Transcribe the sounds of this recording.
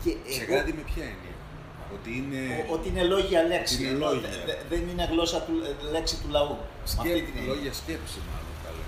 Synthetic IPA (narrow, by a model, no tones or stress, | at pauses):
ceːseɣkɐt̪imepçɐinḛ | ot̪iineoot̪iine̞lo̞ʝiɐle̞ksieloɐðenine̞ɣlo̞sɐt̪ule̞ksit̪ulɐu | sɐeineloʝiɐscepsimɐ̰lo̰nt̪ɐ̰lḛ